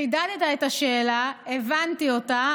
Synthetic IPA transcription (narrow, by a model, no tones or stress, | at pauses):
idad̪et̪aetaʃeːlaevantio̞ta